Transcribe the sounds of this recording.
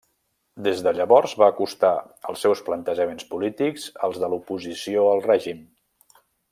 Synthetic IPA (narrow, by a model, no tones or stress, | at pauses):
d̪ezðəʎəβɔɾzβaːkust̪a | ə̰lˠsːɛwsplənt̪əʒəmenspulit̪ikzə̰lˠzðəlupuzisioəlˠrɛʒim